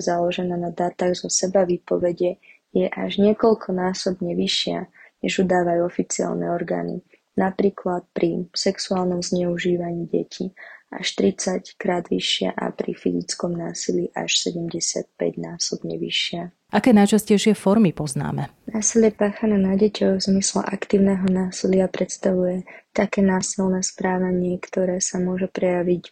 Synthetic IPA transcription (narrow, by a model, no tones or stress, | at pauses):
zalɔʒɛnaːnad̪aːt̪aːɣzɔsɛbaʋiːpɔʋɛɟɛ | jɛʔa̰ʒɲɪɛkɔlkʰɔnaːsɔbɲɛʋiʃɪa̰ɲɛʒud̪aːʋajuɔfit͡sia̰lnɛ̰ɔɾɡa̰ːnḭ | napɾiːklat̪̚pɾʔisɛksuaːlnɔmzɲɛuʒiːʋaɲiːɟɛ̰cʰiʔa̰ʃt̪ɾit͡sackɾaːd̪ʋḭʃɪa̰ʔa̰pɾḭfḭzit͡skɔmnaːsiliʔa̰ʃsɛɟɛmɟɛsɪa̰t̪̚pɛ̰ɟnaːsɔbɲɛʋḭʃɪa | ʔakɛːnajt͡ʃascɛjʃɪɛfɔɾmipɔzna̰ːmɛ | naːsiljɛpaːxanaːnaɟɛcɔʊvzmislɛ̰ʔakt̪iːʊnɛːɦɔnaːsilɪapɾɛt̪st̪aʋujɛt̪akɛːnaːsilnɛːspɾaːʋaɲɪɛkt̪ɔɾɛːsamʊɔʒɛpɾɛjaʋic